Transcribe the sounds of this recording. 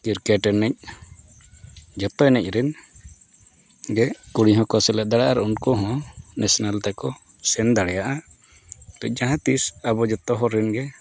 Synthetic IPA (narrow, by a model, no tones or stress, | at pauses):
kiɾkɛʈɛnɛc̚ | d͡ʒɛt̪ɔnɛc̚ˀɾin | ɡɛkuɽiɦɔ̃kɔsɛlɛʔ̚d̪aɽaʔaɾunkɔɦɔ̃nʔɛsɔnalt̪ɛkɔ | sɛnd̪aɽɛjaʔa | t̪ɔc̚ˀd͡ʒaɦãt̪isabɔd͡ʒɛt̪ɔɦɔɾinɡɛ